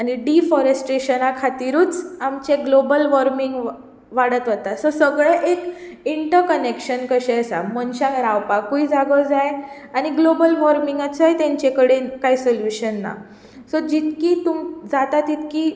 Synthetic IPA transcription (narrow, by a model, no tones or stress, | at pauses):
aɽ̃iɖifɔɾesʈɾeɕənakʰat̪iɾuːt͡samt͡ɕeɡlobəlʋɔɾmiŋɡ | ʋaɽət̪ɦot̪asɔsəɡɭəʔek | iɳʈəɾkənekɕənkəɕɛ̃əsa̰mənɕãŋkɾawpakuid͡zaɡɔd͡zaj | aɽ̃iɡlobəlʋɔɾmiŋɡat͡sajt̪ẽɲt͡ɕekəɽekajsoljuɕənːa̰ | sɔd͡ʑit̪kiːt̪umd͡zat̪at̪it̪kiː